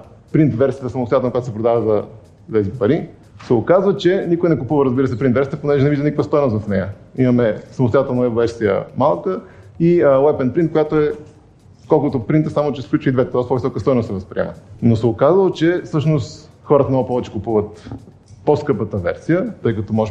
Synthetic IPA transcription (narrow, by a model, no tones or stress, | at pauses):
pɾint̪vɛɾsijət̪əsɐmost̪ojat̪lnkjat̪sɛpɾod̪avəzɐ | t̪ɛzipɐɾi | sɛokazvət͡ʃɛnikojnɛkʊpuvəɾəzbiɾəsɛpɾint̪vɛɾsʲiət̪əponɛʒɛnɛviʒd̪ənikfəst̪ɔjnosvɐfnɛjəimɐmɛsɐmʊst̪ʊjat̪ɛlˠnɐɛvvɛɾsijə̰malˠkə | iəwɛpɛnpɾint̪̚kojat̪oɛ | kɔlˠkʊt̪opɾint̪əsamot͡ʃɛsklʲut͡ʃvəid̪vɛt̪ɛt̪ɔjspɔvisɔkəst̪ɔjnost̪sɛvəspɾḭɛ̰mə̰nosɛokazəlˠot͡ʃɛfsɤʃnost̪ | xɔɾət̪əmnoɡʊpɔvɛt͡ʃɛ̥kʊpuvət̪ | poskɤpət̪əvɛ̰ɾsijət̪ɤjkɐt̪ɔmɔʒ